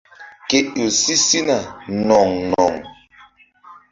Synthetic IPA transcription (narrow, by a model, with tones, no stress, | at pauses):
ke˨ʔo˨si˦si˦na˨nɔ˨ŋnɔ̰˨ŋ